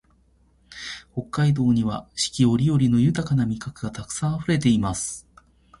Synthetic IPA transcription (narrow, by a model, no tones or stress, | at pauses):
ho̞kːaid̪o̞ːɲ̟iβaɕi̥kʲio̞ɾʲijo̞ɾʲino̞jɯ̟t̪akanamʲikakɯ̟ɡat̪akɯ̥sãɰ̃aɸɯ̟ɾe̞t̪e̞imasɨ̥